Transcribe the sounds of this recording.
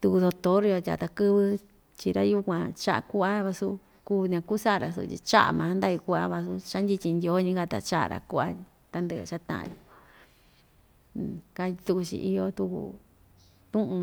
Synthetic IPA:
t̪u˧u˧ðo˧t̪o˦ɾi˧jo˧t̪ʲa̰˨t̪a˧kɨ˦βɨ˧ | t͡ʃi˧ɾa̰˦ju˦kʷã˧t͡ʃa˦ʔa̰˧˨ku˦a˦βa˧su˧ | kuː˦nã˧ku˦sa˦˨ɾa˨s̬ṵ˧˨ḭ˧t͡ʃa̰˦ʔa̰˨mã˨˦nd̪a˦ju˧ku˦ʔa˦βa˧su˧t͡ʃa˦nd̪ʲi˧t͡ʃ̪ʲi˧nd̪ʲjo˦ɲĩ˦ɡa˦˧t̪a̰˨t͡ʃa˦ʔa̰˨˧ɾa̰˨ku˦ʔa˦ | t̪a˧nd̪ɨ̰˧˨t͡ʃa˦t̪ã̰˦˨ã̰˧jo˧˨ | ka˧t̪u˧ku˧t͡ʃḭ˧ʔi˧jo˧t̪u˧kṵ˧˨ | t̪ũ˦ʔũ˧

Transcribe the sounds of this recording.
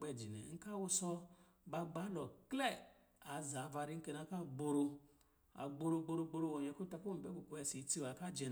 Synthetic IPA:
k͡pɛ˧˨d͡ʒi˨nɛ̰˨ŋ̩˦ka˦wu˧sɔ˧ | ba˧ɡ͡ba˨˦lɔ˨klɛ˦˨ | a˨˦za˨˦va˧ɾi˦ŋ̩˦ke˧na˧˦ka˦˨ɡ͡bo˧ɾo˧ | a̰˨ɡ͡bo˧ɾo˧ɡ͡bo˧ɾo˧ɡ͡bo˧ɾo˧wo˨ɲ˨ɛ˨˧ko˦ta˧ko˦m̩˨bɛ˨˦ku˨ku˧ɛ˧˨si˨˦ti˦˨wa˨ka˦˨d͡ʒɛ˧n

